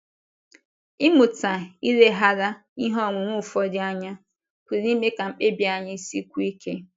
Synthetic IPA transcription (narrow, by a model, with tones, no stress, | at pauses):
i˦mu˨ta˨i˦ɾe˦ɦa˦ɾa˦ | i˦ɦɔ˦˨ŋʷʊ˨ŋʷʊ˦˨fɔ˦dɪ˦a˦ɲa˦ | kʷi˨ɾi˦me˦ka˨ŋ͡m̩˨k͡pe˦bja˨ɲɪ˦si˦kʷu˦i˦kʰe˦